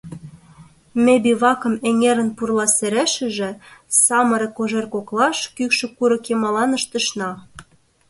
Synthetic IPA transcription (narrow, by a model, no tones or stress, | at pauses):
mebiβɑkɤ̆meŋeɾə̆npurlɑseɾæʃɘ̆ʒĕsɑmɤ̆ɾĕkoʒerkoklɑʃkykʃɘ̆kuɾɤ̆kemɑlɑnə̆ʃt̪ə̆ʃnɑ